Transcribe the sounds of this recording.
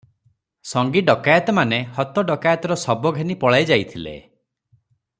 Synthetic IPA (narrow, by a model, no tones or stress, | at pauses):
sɔŋɡiɖɔkajɔt̪ɔmanehɔt̪ɔɖɔkajat̪ɔɾɔsɔbɔɡʱenipɔɭajd͡ʒajt̪ʰilḛ